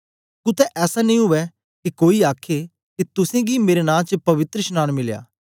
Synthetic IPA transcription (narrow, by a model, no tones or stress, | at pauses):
kʊt̪ɛʔɛːsanɐĩɦʊʋɛ | kikoːiaːkʰe | kit̪ʊsẽɡimeːɾenãːt͡ʃəpɐʋɪt̪ɾəʃnaːnmɪlja̰ː